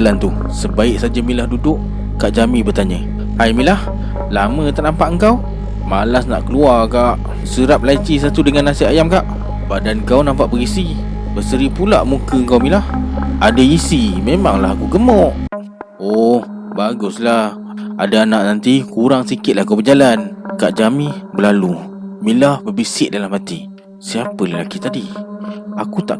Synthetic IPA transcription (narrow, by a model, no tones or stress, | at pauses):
lant̪u | səbaɪk̚sad͡ʒamĩlahdudʊʔ | kaʔd͡ʒamĩbərt̪aɲə | hajmĩlah | lamə̃t̪aʔnampaʔəŋkaw | malasna̰ʔkəluarkaʔ | səɾap̚lait͡ʃis̬at̪udəŋanasiajamkaʔ | badankawnampaʔbəɾisi | bəsəɾipulaʔmukəəŋkawmĩlahadaisimemaŋlaɦakuɡəmɔʔ | ɔh | baɡʊslah | adaːnaʔnant̪ikuɾaŋsikɪt̪̚lahkawbəd͡ʒalankaʔd͡ʒamĩbəlalu | milahbəbisɪʔdalahmat̪i | siapələla̰kit̪adi | akut̪aʔ